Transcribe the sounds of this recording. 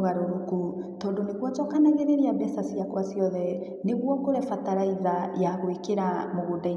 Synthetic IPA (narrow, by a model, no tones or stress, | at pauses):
ɣaɾoɾuku | tɔːndonekwɔt͡ʃɔkanaɣeɾeɾiaβɛsasiakwasiɔðɛ | neɣwɔkoɾɛfataɾaiðajaɣoekeɾamoɣodai